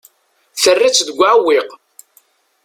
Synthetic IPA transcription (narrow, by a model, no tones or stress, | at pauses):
θərːit͡sːðəɡʷːaʕwːiq